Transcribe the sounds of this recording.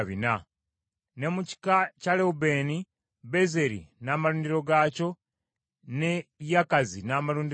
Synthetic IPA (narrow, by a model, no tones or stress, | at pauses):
βina | ne̞muci̥kacaleube̞ni | be̞ze̞ɾḭnaːmaluːndiɾo̞ɡaːco̞ | nejakazinaːmaluːndi